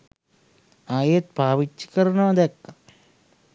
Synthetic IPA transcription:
aːjet̪̚baːʋit͡ʃːi̥kəɾɐnəʋɐd̪ɛkːa

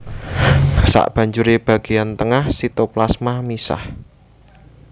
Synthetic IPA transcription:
sa̰ʔb̥a̤ɲd͡ʒuɾeb̥a̤ɡ̥ejant̪əŋahsit̪oplasmahmisa̰h

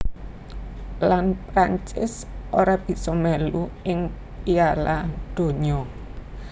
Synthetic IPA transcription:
lanpɾaɲt͡ʃɪsʔoɾab̥i̤sɔmɛluɪŋ | ialad̪̥o̤ɲɔ

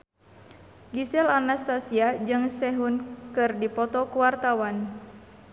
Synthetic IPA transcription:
ɡisɛlanast̪asiad͡ʒɨŋsɛɦunkɨrdipɔt̪ɔkuwart̪awan

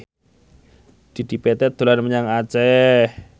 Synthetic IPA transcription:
d̪̥i̤d̪̥i̤pɛt̪ɛd̪̥o̤lanməɲaŋat͡ʃɛh

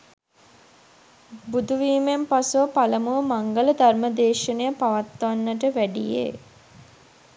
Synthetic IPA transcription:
bud̪uʋiːmempasuʋəpaləmuʋəmaŋɡələd̪ʱarməd̪eːʃənejəpaʋat̪ːʋanːəʈ̬əʋæɖijḛ

